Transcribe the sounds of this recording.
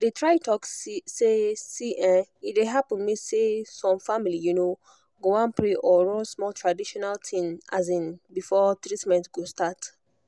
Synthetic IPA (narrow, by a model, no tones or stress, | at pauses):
detɹajtʰɔkssesiʔɛ̃ideɦapə̃nmisesɔ̃mfamilijuno | ɡoãnpɹeʔɔɹɔ̃smɔltʰɹadiʃɔnaltʰĩma̰zĩnbifɔtɹitmɛ̃ntɡostat